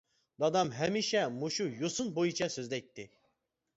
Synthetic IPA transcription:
d̪ɑd̪ɑmɦɛmiʃɛmuʃujosunbojut͡ʃʰɛsøzlɛt̪ʰːɪ

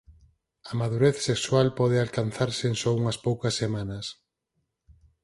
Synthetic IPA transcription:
ɐmaðuɾeθsekswalpɔð̞ealkan̟θaɾseːnsɔuŋɐspowkɐsːemanɐs

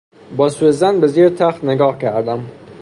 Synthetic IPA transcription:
bɒːsujezænbeziɾt̪ʰæxt̪neɡɒːhkʰæɾd̪æm

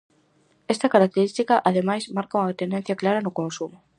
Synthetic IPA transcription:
ɛst̪ɐkaɾak̚t̪eɾist̪ikɐʔaðemajsmaɾkauŋat̪end̪ẽn̟θjɐklaɾɐnʊkõnsumʊ

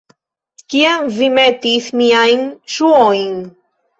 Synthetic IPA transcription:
cianvimet̪iθmiajnʃuojn

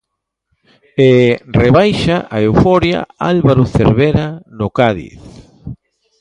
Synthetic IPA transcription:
ereβajʃaʔaewfɔɾja̰alβaɾoθḛɾβeɾanokaðḭθ

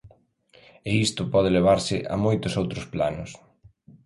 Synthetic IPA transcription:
eist̪ʊpɔð̞ɪleβ̞aɾsɪʔa̰mojt̪ʊsowt̪ɾʊsplanʊs

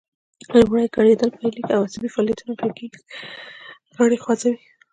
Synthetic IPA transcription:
lmuɽajkaɽed̪əlpəjlikawasabifɑːlijat̪unakəkeɡi̥i | ɣaɽexwazawi

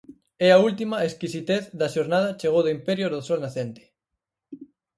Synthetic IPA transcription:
ɛɐult̪̬imɐeskisit̪eθðɐʃoɾnað̞ɐt͡ʃeɣowðoimpɛɾjoðosɔlnaθent̪e̥

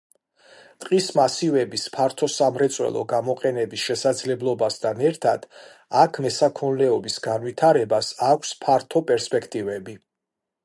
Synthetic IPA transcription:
t̪ʼqʼismasivɛbispʰaɾt̪ʰɔsamɾɛt̪sʼwɛ̰lˠɔ̰ɡamɔqʼɛnɛbisʃɛsad̪zlɛblˠɔbast̪ʰanɛɾt̪ʰad̪̥ | akʰmɛsakʰɔnlɛɔbisɡanvit̪ʰaɾɛbasakʷʰspʰaɾt̪ʰɔpʼɛɾspʼɛkʰt̪ʼivɛbi

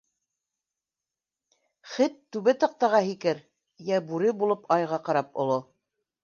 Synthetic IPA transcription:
χɘt̪ːʉβɘt̪ɑ̆q̚t̪ɑʁɑɦikɘɾ | jæbʉɾɘbulˠopʰɑjʁɑqɑɾɑpŏ̰lˠo

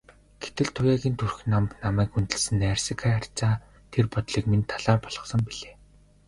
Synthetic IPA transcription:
ɡ̥et̪ɘ̆ɮt̪ʰʊjaːɣʲiːnt̪ʰurxnampnamæːkunt̪ɘ̆ɮsɘ̆narsikʰaar̥t͡ɕaː | t̪ʰerpɔt̪ɮiːkmint̪ʰːaɮaːrpɔɮ̥ʁɞ̆sɞ̆mpiɮeː

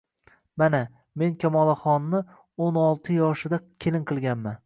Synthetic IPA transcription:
mana | me̞nkʲʰamɒlˠaχɒnmɪ | onɒlˠt̪ʰɪjɒʃɪd̪akʲʰe̞lɪŋqʰɨlˠɡʲanman

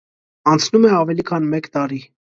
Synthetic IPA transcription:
ɑnt͡sʰnumɛɑvɛlikʰɑnmɛkt̪ɑɾi

